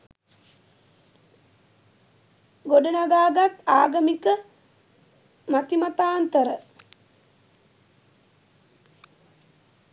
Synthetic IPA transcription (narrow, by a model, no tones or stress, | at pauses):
ɡoɖənaɡaːɡat̪aːɡəmikə | mat̪imat̪aːnt̪əɾə